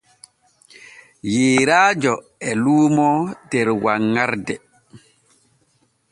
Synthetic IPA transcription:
jeːɾaːd͡ʒɔ | ɛluːmɔdɛɾwaŋːaɾdɛ

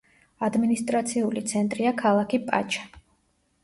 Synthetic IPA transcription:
ad̪minist̪ʼɾat̪sʰiulit̪sʰɛnt̪ʼɾiakʰalˠakʰipʼa̰t͡ʃʰʼḁ

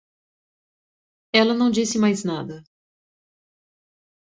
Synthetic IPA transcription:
ɛlɐnɐ̃w̃d͡ʒisɪmajznad̪ɐ

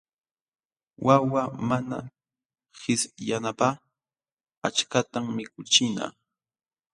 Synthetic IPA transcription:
wʔawamana̰ | hɪsjanapaː | at͡ʃkat̪ammɪkʊt͡ʃɪna̰ː

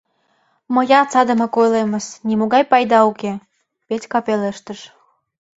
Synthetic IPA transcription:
mə̆jɑt͡sɑd̪ə̆mɤkojleməsnʲimoɣɑjpɑjd̪ɑuke | petʲkɑpeleʃt̪əʃ

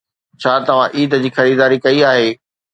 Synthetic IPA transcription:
t͡ɕʰaːt̪ɐʋ̤ãʔiːd̪d͡ʑiːxɐɾiːd̪aːɾikɐiaːɦeː

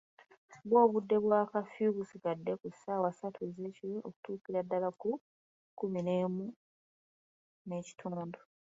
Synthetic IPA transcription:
βwo̞ːβudːe̞βwaːkafuβusikadːe̞kusaːwasatʰuzecio̰ku̥tuːkiɾadːalaku | kumine̞ːmu | ne̞ːci̥tʰuːndu

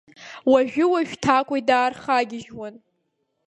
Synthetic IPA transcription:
waʒᶣʊwaʒᶣtʰakʷʼajdaːrχaɡʲɪʒwan

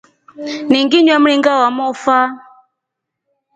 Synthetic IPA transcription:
niŋɡiɲwam̩ɾiŋɡawamɔfa

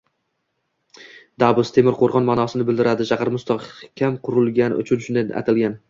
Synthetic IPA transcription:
d̪̥abʊst̪ʰe̞mɪɾqʰoɾʁɒnmanɒsɪnɪbɪld̪ɪɾad̪ɪʃaqɪɾmʊst̪ɒqkʲʰamqʰʊɾʊlˠɡʲanʊ̰t͡ʃʰʊnʃʊnd̪anʔa̰t̪ʰɪlɡʲan

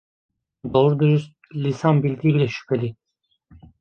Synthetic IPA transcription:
d̪oɾud̪yɾyz | lʲisanbilʲd̪iːbilʲɛʃy̥pʰelʲi

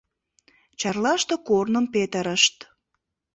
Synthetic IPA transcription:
t͡ɕɑrlɑʃt̪okornəmpet̪əɾəʃt̪

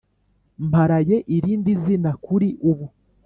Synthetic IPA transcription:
mpaɾaje̞ʔiɾiːndizinakuɾiʔuβu

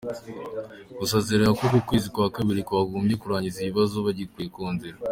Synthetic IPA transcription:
ɡusezeɾaŋakokukweːzikwaːkaβiɾikwaːɡoːmbɟe̞kuɾaːɲɟiziβiβazoβaɟikwiekuːnziɾa

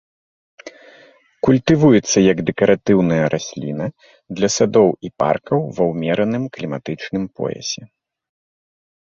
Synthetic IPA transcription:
kulʲt̪ɨvujɛt̪sːɐjɐɡd̪ɛkɐɾʔat̪ɨwnɐjɐɾʔasʲlʲḭnɐ | d̪lʲɐsad̪ɔwipa̰rkɐwvɐwmʲɛɾɐnɨmklʲimat̪ɨt͡ʂnɨmpɔ̰jɛ̰sʲɛ

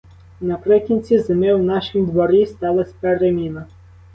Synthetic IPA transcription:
nɐpɾɪkʲinʲt͡sʲizemɪwnɑʃimd̪ʋɔɾist̪ɑlˠɐsʲpɛɾemʲinɐ

